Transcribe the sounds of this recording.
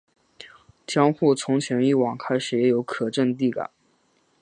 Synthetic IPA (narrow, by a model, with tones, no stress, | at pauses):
t͡ɕ̪ʰjɑ˥ŋxu˥˩t͡sʰʊ˧˥ŋt͡ɕʰɥɛ˧˥ni˥˩wɑ˨˩ŋkʰa˥ɪʂɻ̩˧˥jɛ˧˥jo˧˥ʊkʰɤ˨˩ʈ͡ʂə˥˧ŋt̪̬i˥˩ka̰˨˩˦